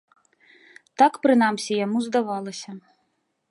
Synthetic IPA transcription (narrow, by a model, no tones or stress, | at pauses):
t̪akpɾɨnamsʲɛjamuzd̪avɑlˠɐsʲɐ